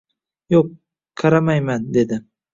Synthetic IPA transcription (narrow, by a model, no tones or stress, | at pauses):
joq̚ | qʰɑɾamajmand̪e̞d̪ɪ